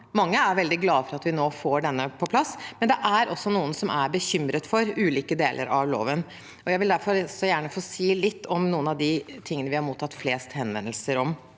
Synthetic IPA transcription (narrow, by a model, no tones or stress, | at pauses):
mɑŋːəæɾʋɛld̪ɪɡlɑːfɔɾɑt̪ʋɪnoːfoːɖɛnːəpʰɔpʰlɑsːmɛnd̪ɛʔæɾʔɔsːɔnuːənsɔmʔæɾbəçʏmɾət̪fɔɾʉːliːkəd̪eːlʔə̰ɾɑʋlo̰ːʋən | ɔjæɪʋɪld̪æɾfɔɾsːɔjæːɳəfoːsiːlɪt̪ːɔmnuːənɑʋd̪ɪt̪ʰɪŋːənəʋɪhɑɾmuːt̪ːɑt̪ːfleːst̪hɛnʋɛ̰nːlsəɾɔm